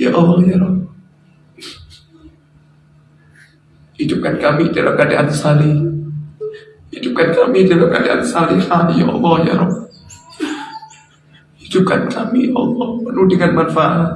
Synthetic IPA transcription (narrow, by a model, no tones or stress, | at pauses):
ja̰ʔɔlːɔhjaɾɔ | idʊp̚kankamidala̰mkadaʔansali | idʊp̚kankamidalamka̰daʔa̰nsalisamijʔɔ̰lːɔja̰ɾɔm | idup̚kankʰamiʔɔ̰lːɔhmənudəŋanmanfaʔat̪